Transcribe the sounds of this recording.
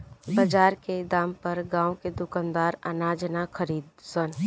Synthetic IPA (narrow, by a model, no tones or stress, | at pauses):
bɐd͡ʒaːɾked̪aːmpɐɾɡãːwked̪ʊkand̪aːɾə̰naːd͡ʒnaxʰəɾiːd̪sən